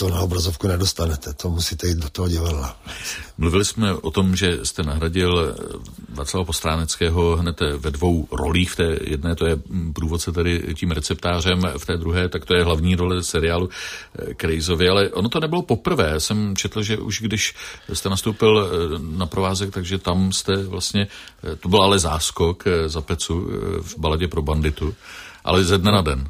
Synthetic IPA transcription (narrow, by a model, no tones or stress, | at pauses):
t̪onaobɾazofkunɛdost̪anɛt̪ɛt̪omusiːt̪ɛiːd̪̚dot̪oɦoɟɪvadlamluvɪlɪsmɛʔo̞t̪o̞mʒɛst̪ɛnaɦɾaɟɪl | va̰ːt͡sslavapo̞st̪ɾaːnɛt͡skɛːɦo̞ɦnɛt̪vɛdvo̞wɾo̞̰liːxft̪ɛːjɛ̰dnɛːt̪o̞jɛpɾuːvo̞t̪t͡sɛt̪ɛdɪciːmɾɛt͡sɛpt̪aːr̝ɛmft̪ɛːd̪ɾuɦɛːt̪akt̪o̞jɛɦlavɲiːɾo̞lɛsɛɾɪjaːlukɾɛjzo̞vɪalɛʔo̞not̪o̞nɛbɪlopo̞pr̩vɛːasɛmt͡ʃʰɛt̪l̩ʒɛʔṵʃɡdɪʃst̪ɛnast̪owpɪlnapɾovaːzɛk̚t̪aɡʒɛt̪amst̪ɛvlast̪ɲɛt̪obɪlʔalɛzaːsko̞kzapɛt͡suvbalaɟɛpɾo̞bandɪt̪uʔa̰lɛzɛdnɛnadɛn